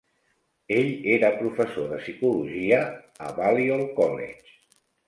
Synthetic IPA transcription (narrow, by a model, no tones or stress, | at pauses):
eʎeɾəpɾufəsoðəsikuluʒiə | ə̰βaliolˠkɔlḛt͡ʃ